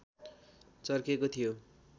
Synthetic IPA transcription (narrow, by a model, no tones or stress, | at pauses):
t͡sʌrkekot̪ʰijo